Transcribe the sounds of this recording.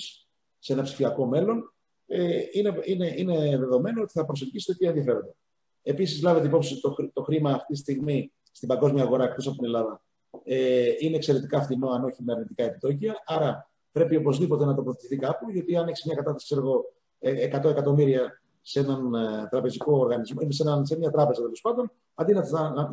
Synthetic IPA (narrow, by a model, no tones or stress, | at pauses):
s | se̞nɐpsi̥fiɐko̞me̞lo̞n | eineineʔine̞ðe̞ðo̞me̞no̞o̞t̪i̥θɐpɾoselɟisi̥t̪ot̪ieðiɐfe̞ɾo̞nd̪ɐ | e̞pisizlɐveeipo̞psit̪oxit̪o̞xɾimɐːft̪it̪ist̪iɣmi | st̪imbɐŋɡo̞zmiɐɣo̞ɾɐek̚t̪o̞sɐpot̪inelɐðɐ | eineːkse̞ɾe̞t̪ikɐːft̪ino̞ɐno̞çimeɐɾnit̪ikɐe̞pit̪o̞ciɐʔɐɾɐ | pɾe̞pio̞po̞zðipo̞t̪e̞nɐt̪opɾoθe̥t̪iθikɐpuʝot̪iɐneksi̥zmɲɐkɐt̪ɐst̪ɐskseɾoɣo̞ | eekɐt̪o̞e̞kɐt̪o̞miɾiɐ | se̞nɐnt̪ɾɐpe̞ziko̞ːɾɣɐnizmoimsenɐnsemɲɐt̪ɾɐpe̞zɐt̪elo̞spɐnd̪o̞n | ɐnd̪inet̪ɐ